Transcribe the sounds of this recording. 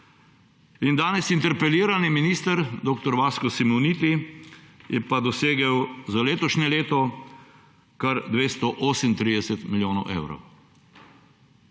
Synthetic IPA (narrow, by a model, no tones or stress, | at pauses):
ind̪aːnɛsint̪ɛɾpɛliːɾaniminiːst̪əɾd̪oːk̚t̪ɔɾʋaːskɔsimɔwniːt̪i | jɛpad̪ɔseːɡɛwzaleːt̪ɔʃnɛleːt̪ɔ | kaɾd̪ʋeːst̪ɔʔoːsəmnt̪ɾiːd̪ɛsɛt̪miljoːnɔwʔḛːwɾɔ̰w